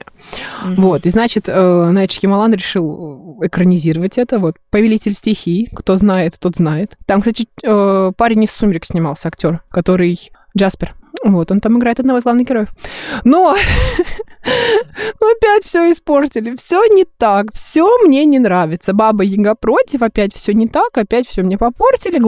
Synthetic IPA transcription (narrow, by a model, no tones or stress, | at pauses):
vo̞t̪ɨznat͡ɕɪt̪ənɐɛt̪ʂkʲɪmɐlˠanɾʲɪʂɨlˠɨkɾənʲɪzʲiɾəvətʲɛt̪əvo̞t̪pəvʲɪlʲitʲɪlʲsʲtʲɪxʲikt̪o̞znajɪt̪t̪ːo̞t̪znajɪt̪t̪ːamkst̪atʲɪəpaɾʲɪnʲɪsːumʲɾʲɪksʲnʲɪmalˠsʲəɐktʲo̞rkɐt̪o̞ɾɨj | d͡ʒaspʲɪrvo̞t̪o̞nt̪amɨɡɾaɪt̪ɐd̪nɐvozɡ̪ˠavnɨxɡʲɪɾo̞jɪfno | ɐpʲætʲfsʲoɪspo̞rtʲɪlʲɪfsʲonʲɪt̪akfsʲomnʲe̞nʲɪnɾavʲɪt̪səbabəjɪɡɐpɾo̞tʲɪfɐpʲætʲfsʲonʲɪt̪akɐpʲætʲfsʲomnʲepɐpo̞rtʲɪlʲɪ